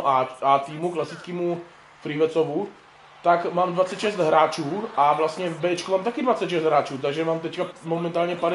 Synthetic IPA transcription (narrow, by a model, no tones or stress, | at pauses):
ʔaat̪iːmuklasit͡skiːmu | fɾiʋɛt͡sɔʋu | t̪aɡmaːmd̪ʋat͡sɛcʃɛzd̪ɦɾaːt͡ʃuːʔavlast̪ɲɛvbɛːɛt͡ʃkumaːmt̪akid̪ʋat͡sɛcʃɛzd̪ɦɾaːt͡ʃuːt̪aɡʒɛmaːmt̪̬ɛckamɔmɛnt̪aːlɲɛpadɛ